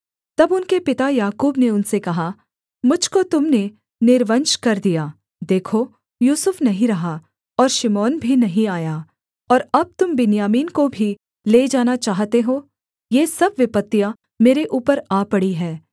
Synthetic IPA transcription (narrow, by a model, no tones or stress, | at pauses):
t̪ɐbʊnkepɪt̪ajaːkuːbneʊnsekɐɦa | mʊd͡ʒʱkot̪ʊmne | nɪɾʋənʃkɐɾd̪ijaː | d̪eːkʰo | juːsʊfnɐɦĩɾɐɦa | ɔːɾʃɪmɔːnbʱinɐɦĩaːja | ɔːɾɐb̚t̪ʊmbɪnjaːmiːnkobʱi | leːd͡ʒaːnat͡ʃaːɦt̪eɦoː | jeːsɐbʋɪpət̪ːija | meːɾeʔuːpəɾaːpɐɽiɦɛː